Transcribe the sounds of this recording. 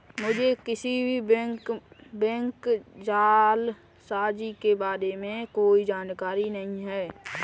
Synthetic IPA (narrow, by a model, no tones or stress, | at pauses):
mʊd͡ʒʱekɪsibʱikbɛ̃ŋkd͡ʒaːl | saːd͡ʒikebaːɾemẽkoːid͡ʒaːnkaːɾinɐɦĩɦɛː